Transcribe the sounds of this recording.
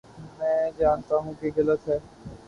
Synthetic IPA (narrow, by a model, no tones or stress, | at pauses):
mɛ̃ːd͡ʒaːnt̪aɦũkiɡɐlət̪ɦɛː